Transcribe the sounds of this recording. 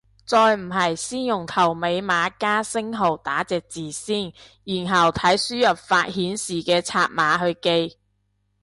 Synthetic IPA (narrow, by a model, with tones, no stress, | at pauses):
t͡sɔː˧jm̩˨˩ɦɐ˨jsiː˥njʊ˨˩ŋt̪ʰɐ˨˩wme˨˧jmaː˨˧˥kaː˥sɪ˥ŋɦo˨˩wt̪aː˨˥t͡sɛː˨˩k̚t͡siː˨˩siː˥˩n | jiː˨˩nɦɐ˨˩wt̪ʰɐ˨˥jsyː˥jɐ˨p̚faː˧t̚hiː˨˥nsiː˨˩kɛː˧t͡sʰaː˧t̚maː˨˧ɦɵ˧ɥke˧j